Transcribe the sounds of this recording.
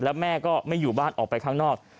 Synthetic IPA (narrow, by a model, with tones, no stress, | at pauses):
lɛː˦˥wmɛː˥˩kɔː˥˩ma˥˩juː˨˩baː˥˩nʔɔ̰ː˨˩k̚pa˧jkʰaː˥ŋnɔː˥˩k̚